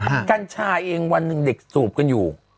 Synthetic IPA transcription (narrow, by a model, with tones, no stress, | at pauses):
ka˧nt͡ɕʰaː˧ʔeː˧ŋwa˧nːɯ˨˩ŋde˨˩k̚suː˨˩p̚ka˧njuː˨˩